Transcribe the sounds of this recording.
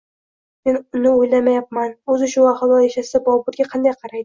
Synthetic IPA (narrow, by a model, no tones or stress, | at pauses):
me̞nʊnɪojlamajap̚manɵzɪʃʊaχɑlˠɒjaʃasɪd̪abɒbʊɾɡʲaqʰɑnd̪ajqʰɑɾajd̪ɪ